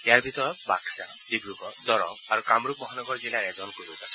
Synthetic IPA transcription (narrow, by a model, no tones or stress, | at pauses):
ejaɹbʱit̪ɔɹɔt̪̚baksa | d̪ibɹukɔd̪ɔɹɔ̰maɾukamɾukmɔɦanɔɡɔɹzilaɾɛzɔnkoɾukas